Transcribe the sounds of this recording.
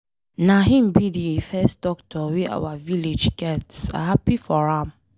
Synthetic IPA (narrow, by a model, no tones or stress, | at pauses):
naɦĩm̩bidiefɛstdɔktʰɔweʔa̰waviled͡ʒɡɛtsa̰hapifɔɹãm